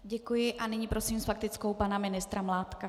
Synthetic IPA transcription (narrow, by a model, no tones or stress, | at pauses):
ɟɛkujɪʔanɪɲiːpɾo̞siːmsfak̚t̪ɪt͡skowpanamɪnɪst̪ɾamlaːt̪ka